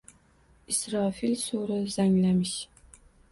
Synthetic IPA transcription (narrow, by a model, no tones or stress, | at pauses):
isɾɑfilsoɾɪz̥aŋlamɪʃ